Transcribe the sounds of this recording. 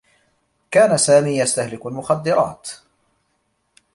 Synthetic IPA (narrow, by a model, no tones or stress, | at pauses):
kaːnasaːmiːjast̪ahlɪkalmʊxad̪ːɪɾˤɑ̰ːt̪